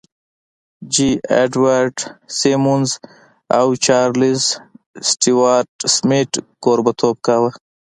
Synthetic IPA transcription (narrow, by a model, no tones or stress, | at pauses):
d͡ʒiḛɖwaɾɖsemunz | awt͡ʃaːɾlizsʈiwaːɾʈsmiʈkoːɾbət̪ʰop̚kawə